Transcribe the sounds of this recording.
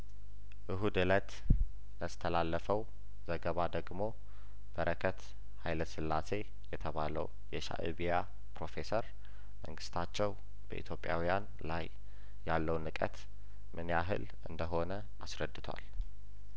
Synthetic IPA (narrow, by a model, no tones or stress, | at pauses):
ʔɨɦud̪ɨlət̪ | laast̪ʰəlalːəfəw | zəɡəβad̪əɡmo̞ | b̥əɾʔəkʰət̪ | hajləsɨlːase̞ | jɛt̪ʰəβaləw | jɛʃa̰ʔɨ̰βija | pɾo̞fe̞səɾ | məŋɡɨst̪ʰat͡ʃːɛw | b̥ə̰ʔḭt̪ʰjo̞pʼːja̰wijan | lajː | alːəwnɨkʼə̰t̪ | mɨnjaɦɨ̰l | ʔɨ̰nd̪əɦo̞nə | asɾəd̪ːɨt̪ʰwa̰l